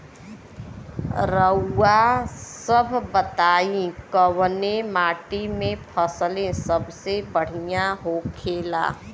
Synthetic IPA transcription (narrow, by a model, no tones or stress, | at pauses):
ɾəːasəbʱbət̪aːĩkəwnemaːʈimẽpʰəslẽsəbʱsebəɽ̤ijaɦokʰeːla̰ː